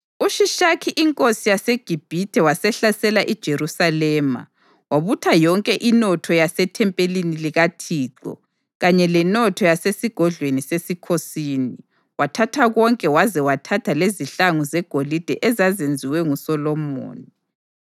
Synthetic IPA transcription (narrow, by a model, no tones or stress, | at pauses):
uʃiʃakʰiʔiŋkʼosijaseɡ̥ʱib̥ʱitʰʼɛwasɛɬasɛlaʔid̥ʒ̥ʱerusalɛːma̰ | waβutʰajɔŋkʼɛʔinɔtʰɔjasɛtʰɛmpʼeliniliɣatʰiːǁɔ̰ | ɣaɲɛlɛnɔtʰɔjasesiɡ̥ʱɔɮwenisesikʰosiːni | watʰatʰaɣɔŋkʼɛwazɛwatʰatʰaleziɬaŋuzɛɡ̥ʱolid̥ʱɛʔɛzazend͡zʱiwɛŋusɔlɔmo̰ːni